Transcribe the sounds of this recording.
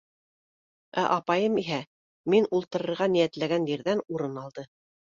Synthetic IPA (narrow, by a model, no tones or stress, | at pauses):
æ̰ʔɑpɑjɤmiɦæ | minulˠt̪ɤ̆ɾɤ̆ɾʁɑnijæt̪læɡænjiɾðænuɾɤnɑlˠd̪ɤ